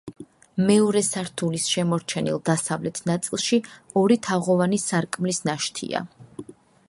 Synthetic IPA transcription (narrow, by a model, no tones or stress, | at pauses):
mɛɔɾɛsaɾt̪ʰulisʃɛmɔɾt͡ʃʰɛnḭlˠd̪asavlɛt̪ʰnat̪sʼilˠʃiɔɾit̪ʰaʁɔvanisaɾkʼmlisnaʃt̪ʰḭa̰